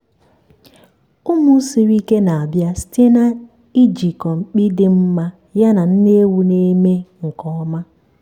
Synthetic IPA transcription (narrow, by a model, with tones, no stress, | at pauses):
ʊ˦mʊ˦si˨ɾi˦ke˦na˨a˨bja˦ste˦na˦ | i˦d͡ʒi˨kɔ˨ŋ͡m̩˨k͡pi˦dɪ˦m̩˦ma˦ | ja˦na˨n̩˦ne˦wu˦ne˦me˦ŋ̩˨kɔ˦ɔ˦ma˦